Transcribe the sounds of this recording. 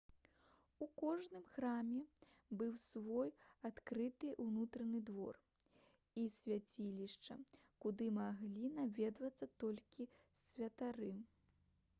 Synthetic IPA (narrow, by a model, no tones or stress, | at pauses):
ukɔʐnɨmxɾamʲɛ | bɨwsvɔjat̪kɾɨt̪ɨʔunut̪ɾɐnɨd̪vɔ̰r | isʲvʲat͡sʲilʲiʂt͡ʂɐ̰ | kud̪ɨmaɣlʲinavʲɛd̪vɐt̪sːɐt̪ɔlʲkʲi | svʲɐt̪aɾɨ